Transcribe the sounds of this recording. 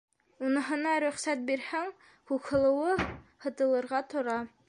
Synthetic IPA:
unɤ̆ɦɤ̆nɑɾɵ̆χsæt̪̚biɾhæŋ | hukhɤ̆lˠɤ̆wɤhɤ̆t̪ɤ̆lˠɤ̆ɾʁɑt̪ŏɾɑ

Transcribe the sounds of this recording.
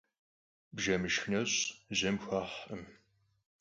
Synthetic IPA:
bʒɐmɨʃxnɐɕʼʑɐmxʷaħɨm

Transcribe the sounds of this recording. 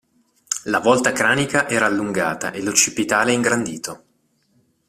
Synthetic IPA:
lavɔlt̪akɾaːnikaʔɛːɾaːlːuŋɡaːt̪a̰ʔelot͡ʃipit̪aːleɛiŋɡɾand̪iːt̪o

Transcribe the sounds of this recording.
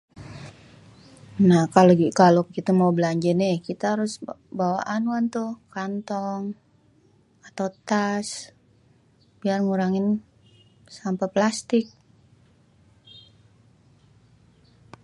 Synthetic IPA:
nahkaloɡikalokit̪amaubəlaɲd͡ʒɛnɛkit̪aaɾʊsbawa̰ʔanuant̪ʊhkant̪ɔŋ | at̪aut̪as | biarŋuɾaŋɪn | sampaplast̪ɪk̚

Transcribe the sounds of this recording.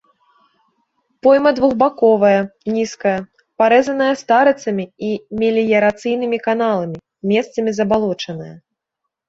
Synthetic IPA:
pɔjmɐd̪vuɣbakɔvɐjɐnʲiskɐjɐ | paɾɛzɐnɐjɐst̪aɾɨt̪sɐmʲiimʲelʲijɐɾat̪sɨjnɨmʲikanalˠɐmʲi | mʲɛst̪sɐmʲizɐbalˠɔt͡ʂɐnɐjɐ

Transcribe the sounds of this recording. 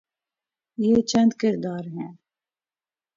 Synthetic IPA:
jeːt͡ʃʰɛnd̪kɨɾd̪ɑːɾɦɛn

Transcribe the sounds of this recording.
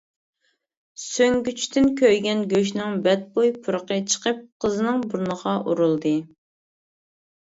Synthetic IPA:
søŋɡʲyt͡ʃʰt̪ʰɪnkʲʰøjɡʲɛnɡʲøʃ̬nɪŋbɛt̪̚bojpʰuɾəqət͡ʃʰə̥qəp̚qʰəzɨnɨŋbuɾnəʁɑʔuɾulˠd̪ɨ

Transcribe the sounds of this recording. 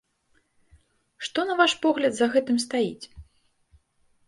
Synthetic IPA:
ʂt̪ɔnɐvaʂpɔɣlʲɐd̪zɐɣɛt̪ɨmst̪ajit͡sʲ

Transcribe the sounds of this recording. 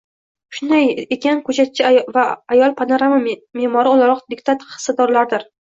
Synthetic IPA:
ʃʊnd̪ajekʲankʰɵt͡ʃʰat̪̚t͡ʃʰɪvaːjɒlˠpʰanoɾamamemɒɾɪolaɾɒqd̪ɪkt̪ʰat̪χɨ̥sːad̪ɒɾlaɾd̪ɪɾ

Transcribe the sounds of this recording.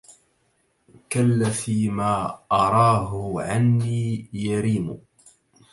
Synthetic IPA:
kalːafiːmaːʔɑɾˤɑːɦʊʕanːiːjaɾiːmʊ

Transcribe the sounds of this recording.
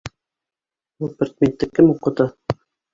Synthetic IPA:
upĕɾʲt̪̚ʲmʲent̪ːɘkːɘmuqɤ̆t̪ɤ

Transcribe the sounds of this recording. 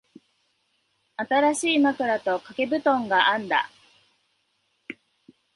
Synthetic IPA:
at̪aɾaɕiːmakɯ̟ɾat̪o̞kake̞bɯ̟t̪õ̞ŋɡaʔãnd̪a̰

